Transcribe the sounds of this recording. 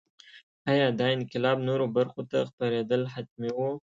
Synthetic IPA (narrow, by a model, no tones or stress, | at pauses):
ɑjɑd̪ɑɪnqɪlɑbnoɾobaɾxot̪axpaɾed̪əlɦat̪̚mewu